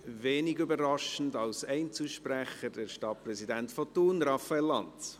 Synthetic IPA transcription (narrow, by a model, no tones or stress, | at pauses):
veːnɪɡybəɾɑʃən̩dɑlsɛɪnt͡suʃpɾæχəɾdɛɾʃtɑtprɛsidɛntfɔtuːnɾɑfaɛlːɑ̰nt